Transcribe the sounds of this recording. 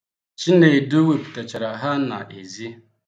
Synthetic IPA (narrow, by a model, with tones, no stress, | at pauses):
t͡ʃi˦ne˨du˦we˨pu̥˨ta˨t͡ʃa˨ɾa˨ɦa˦na̰˨ʔḛ˨zi˦